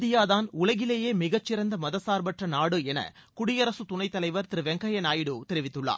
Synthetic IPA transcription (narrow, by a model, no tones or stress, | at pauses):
ðɪjaːðaːnʊɭɐɣɪleːjeːmɪɣɐt͡ʃːɪɾɐnd̪ɐmɐðɐsaːɾbɐʈrɐnaːɽɯɛnɐ̰ | kʊɽɪjɐɾɐsɯt̪ʊnɐɪt̪ːɐlɐɪʋɐɾt̪ɪɾɯʋɛŋɡɐjɐnaːjɪɽɯt̪ɛɾɪʋɪt̪ːɯɭːa̰ː